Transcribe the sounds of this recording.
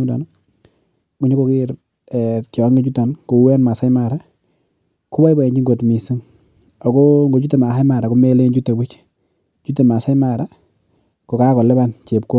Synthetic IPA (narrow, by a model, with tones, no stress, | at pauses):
u˦nda̰˨nɔ | ku˨ɲo˦ko˨kɪ˦ɾ | ɛt͡ʃɔ˨˦ŋɡe˦t͡ʃu˦ta˨nko˨wɛ˦nma˨sa˦jma˨ɾa˦ | ku˦ba˦jba˨ɛ˨ɲd͡ʒi˦ŋɡo˨tmi˨si˦ŋ | ɔ˨kɔ˦ŋɡo˨t͡ʃu˦te˨ma˨sa˦jma˨ɾa˨ko˦me˦le˦nt͡ʃu˦te˨bɪ˦t͡ʃ | t͡ʃu˦t̬e˨ma˨sa˦jma˨ɾa˦ | kɔ˨ka˦kɔ˨lɛ˦ba˦nt͡ʃe˨p̚ko˦